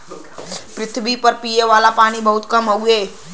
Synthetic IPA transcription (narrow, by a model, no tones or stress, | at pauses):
pɾɪt̪ʰbipəɾpijeʋaːlapaːɽ̃ibəɦʊt̪kəmɦəuɦeː